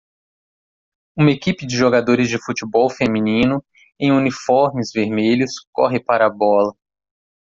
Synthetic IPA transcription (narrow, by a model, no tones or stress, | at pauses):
ũmɐekipɪd͡ʒɪʒoɡad̪oɾɪzd͡ʒɪfut͡ʃɪbɔwfemĩnĩnʊ | ẽj̃unifɔɾmɪzveɾmeʎʊskɔ̰ɦɪpaɾɐbɔlɐ